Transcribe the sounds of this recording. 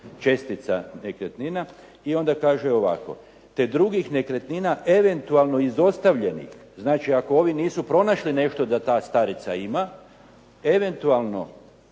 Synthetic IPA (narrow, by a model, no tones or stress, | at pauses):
t͡ʃe̞st̪it̪sanekɾet̪nina | io̞nd̪akaːʒuo̞ʋa̰ko̞̰ | t̪e̞d̪ɾuɡixne̞kɾe̞t̪ninaʔe̞ʋe̞nt̪ualˠno̞izo̞st̪aʋʎe̞nḭx | znaːt͡ʃiako̞o̞ʋiniːsupɾo̞naʃline̞ʃt̪o̞d̪at̪aːst̪aɾit̪saima | e̞ʋe̞nt̪ualˠno̞̰